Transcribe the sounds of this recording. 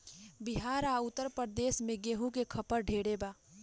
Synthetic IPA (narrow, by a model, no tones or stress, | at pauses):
bɪɦaːɾaʊt̪ːəɾpəɾd̪eːʃmẽɡeːɦũkekʰɐpəɾɖʱeːɽebaː